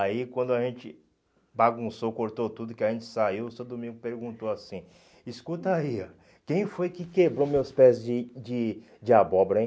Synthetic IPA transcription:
aikwɐ̃nd̪ʊaʒẽt͡ʃɪ̰ | baɡũsokoɾt̪owt̪ud̪ʊkɪaʒẽnt͡ʃɪ̥saiwʊsewd̪umĩɡʊpeɾɡũt̪oasĩ | iskut̪aiɐ | kẽj̃fojkɪkebɾomewspɛzd͡ʒɪd͡ʒɪ | d͡ʒɪabɔbɾɐẽj̃

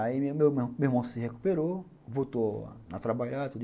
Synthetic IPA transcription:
aimememɔ̃siheku̥peɾo | vot̪ɔ̰nat̪ɾabajat̪u

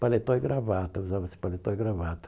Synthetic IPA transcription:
palet̪õjɡɾavat̪ɐuzavɐsɪ̥palet̪ojɡɾavat̪ɐ̥

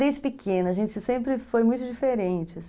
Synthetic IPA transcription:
d̪ẽjd͡ʒɪpɪkʰẽnɐʒẽnt͡ʃɪsẽmpɾɪfojmũj̃t̪ʊd͡ʒifeɾẽnt͡ʃɪ

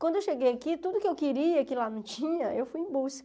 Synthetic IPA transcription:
kwɐ̃nd̪ʊewʃeɡejakit̪ud̪ʊkɪewkɪɾiɐkɪlanɐ̃w̃t͡ʃĩɲɐewfujẽbuskɐ

